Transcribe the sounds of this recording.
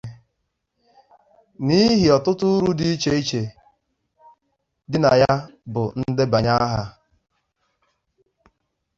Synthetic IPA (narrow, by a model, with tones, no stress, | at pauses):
ni˦ɦi˨ɔ˨tʊ˦tʊ˦ʊ˦ɾu˦di˦i˦t͡ʃe˦i˦t͡ʃe˨ | dɪ˦na˨ja˦bʊ˨n̩˦de˦ba˨ɲa˦ɦa˦